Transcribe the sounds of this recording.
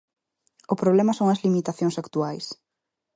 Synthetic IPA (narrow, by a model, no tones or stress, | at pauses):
ʊpɾoβ̞lɛmɐsoŋɐzlimit̪aθjõŋsakt̪uajs